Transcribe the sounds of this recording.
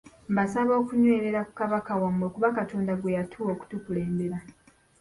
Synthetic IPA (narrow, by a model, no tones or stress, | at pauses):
mbasaβo̞ːkuɲweːɾe̞ɾaku̥kaβakawamokuβakatʰo̞ːndaɡwe̞jatʰuoːku̥tukule̞ːmbe̞ɾa